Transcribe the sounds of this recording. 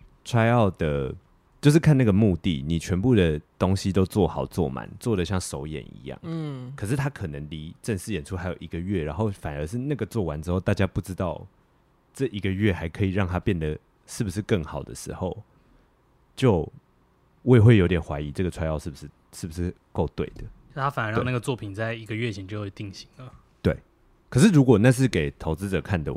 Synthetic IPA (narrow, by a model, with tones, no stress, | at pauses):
t͡sʰwa˥ɪɑ˥˨ʊd̪ə˩ | t͡ɕjo˥˧ʊʂ̬ɻ̩˥˩kʰa˥˧na˥˩ɡə˩mu˥˧t̪ḭ˨˩ni˨˩t͡ɕʰɥɛ˧˦npu˥˩d̪ə˩t̪o˦ŋɕi˧˥t̪o˥ʊt͡swɔ˥˩xɑ˨˩ʊt͡swɔ̰˥˩ma̰˨˦nt͡swɔ˥˩d̪ə˩ɕ̬jɑ˥˩ŋʂo˧˥ʊjɛ̰˨˩˦nḭ˧˦jɑ̰˥˩ŋkʰɤ˨˩ʂɻ̩˥˩t̪ʰa˥kʰɤ˨˩nə˧˦ŋli˧˥ʈ͡ʂə˥˧ŋʂɻ̩˥˩jɛ˨nʈ͡ʂʰu˥xa˧˥ɪjo˨˩ʊʔi˧˥ɡə˨ɥɛ˥˩ɻa˧˥nxo˥˩ʊfa˨˩nə˧˦ʂɻ̩˥˧na˥˩ɡə˩t͡swɔ˥˩wa˦nʈ͡ʂɻ̩˥xo˥˧ʊt̪a˥˩t͡ɕja˦˥pu˥˩ʈ͡ʂɻ̩˥˦t̪ɑ˥˧ʊ | ʈ͡ʂɤ˥˩ʔi˧˥ɡə˨ɥɛ˥˩xa˧˥ɪkʰɤ˧˥i˨˩ɻɑ˥˨ŋt̪ʰa˦˥pjɛ˥˩nd̪ə˩ | ʂɻ̩˥˩bu˩ʂɻ̩˥˧kə˥˩ŋxɑ˨˩ʊd̪ə̰˩ʂɻ̩˧˥xo˥˧ʊ | t͡ɕjo˥˧ʊ | we˥˧ɪxwe˥˩ɪjo˧ʊt̪jɛ˨˩nxwa̰˧˥ɪi˧˦ʈ͡ʂɤ˥˩ɡə˩t͡sʰwa˥ɪjɑ˥˧ʊʂɻ̩˥˩bu˨˩ʂɻ̩˥˧ | ʂɻ̩˥˩bu˩ʂɻ̩˥˧ | ko˥˧ʊt̪we˥˩ɪd̪ə˩o˥˩a˥fa˨˩nə˦ɻna˥˩ɡə˩t͡swɔ˥˩pʰi˨˩nt͡sa˥˩ɪi˧˥ɡə˧ɥɛ˥˩t͡ɕʰjɛ˧˥nt͡ɕo˥˧e˥˧˩t̪i˥˩ŋɕi˧˦ŋlə˨ | t̪we˥˩ɪ | kʰə˨˩ʂɻ̩˥˩ɻu˧˦˥kwɔ˨˩na˥˧ʂ̬ɻ̩˥˩ke˨˩ɪt̪ʰo˧˥ʊt͡sɹ̩˦ʈ͡ʂɤ˨˩kʰa˥˩nd̪ə̰˨